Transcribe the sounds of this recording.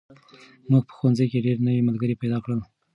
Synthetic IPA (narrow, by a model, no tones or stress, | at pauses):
muɡ̚pə̥xwanzajkeɖeɾnəwiməlɡəɾipajd̪ɑkɽəl